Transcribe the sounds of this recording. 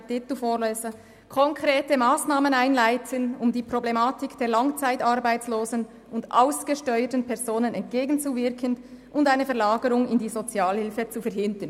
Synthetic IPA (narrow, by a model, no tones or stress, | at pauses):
d̥ɪtufoːʁlœʏfə | kʰɔŋkʁeːtəmaːsnaːmənaɪnlaɪtʰənʊmdiːpʁ̥oblemaːtɪkd̥eːɐlɑŋt͡saɪtɑɾbaɪt͡sloːzən | ʊndʔa̰ʊsɡ̥əʃtɔʏətn̩pʰɛʁzoːnənɛnt̚ɡ̥eːɡn̩t͡suvɪɾkʰənʔʊndaɪnəfɛɐlaːɡəɾʊŋɪndiːzot͡sjaːlhɪlfət͡sufɛɐɦɪndən